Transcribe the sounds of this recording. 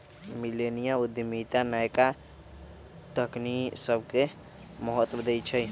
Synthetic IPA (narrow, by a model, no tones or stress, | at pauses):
milenijaud̪jəmit̪anajka | t̪əknisəbʱke | məɦət̪d̪əjt͡ʃʰəj